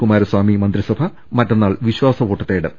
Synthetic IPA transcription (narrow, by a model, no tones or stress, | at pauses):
kumaːɾɐswaːmimɐnd̪ɾisɐbʱɐ | mɐtːɐnːaːɭʋiɕwaːsɐʋo̞ːʈːɐt̪ːeːɽɨ̰